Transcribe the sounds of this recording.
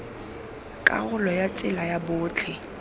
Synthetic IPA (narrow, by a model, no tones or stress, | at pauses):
kʼa̰ɣʊlɔjat͡sʼɪlajabʊːt͡ɬʰɪ